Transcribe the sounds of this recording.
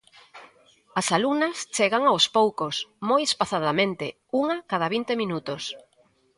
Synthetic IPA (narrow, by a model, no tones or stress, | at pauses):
ɐsalunɐst͡ʃeɣaŋaospowkosmojespaθaðamẽnt̪e | uŋakað̞aβint̪emĩnut̪os